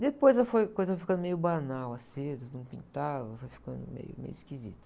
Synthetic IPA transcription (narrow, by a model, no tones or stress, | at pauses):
d̪epojzɛlɐfojkojzɐfojfikɐ̃nd̪ʊmejʊbanawɐsed̪ʊd̪ũpḭ̃nt̪aɛlɐfojfi̥kɐ̰̃nd̪ʊ̰mḛjʊ̰mḛjʊiskizḭt̪ʊ